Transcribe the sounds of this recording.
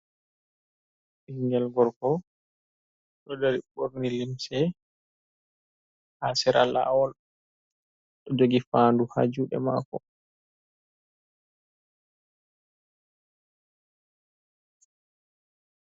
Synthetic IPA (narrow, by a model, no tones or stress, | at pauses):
ʔiŋɡɛlɡɔɾkɔ | ɗɔdaɾiɓoɾnilimsɛ | hasɛɾala̰wɔl | ɗɔd͡ʒoɡifaːnduha̰d͡ʒuɗɛ̰ma̰ːkɔ̰